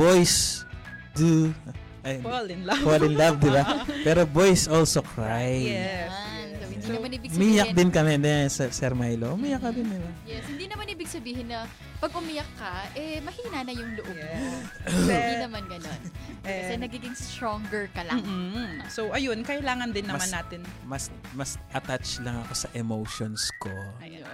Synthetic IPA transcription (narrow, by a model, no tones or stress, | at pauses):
bojs | d̪u | ʔɐjlɪnlolɪnllavd̪ɪbapɛːɾo̞bojsʔolsokɹaj | sohɪnd̪inɐmanʔiːbɪɡsmiːjɐkd̪ɪnkɐmɛd̪ɛsɛsɛɾmajloʔʊmiːjɐk̚ːɐd̪ɪnd̪ɪbajɛshɪnd̪inɐmaniːbɪɡ̚sɐbiːhɪnːɐ | pɐɡ̚ʔʊmijɐkːɐʔɛmɐhiːnanɐjʊŋlʊʔok | ɪd̪inɐmanɡɐnon | kɐsɛnɐɡiːɡɪŋst̪ɾoŋɡɛɹkɐlamŋsowʔɐjo̞nkɐʔɪlaːŋɐnd̪ɪnːɐmmanːaːt̪ɪnmɐs | mɐsʔɐt̪at͡ʃlɐŋɐko̞sɐʔɛmowʃonsko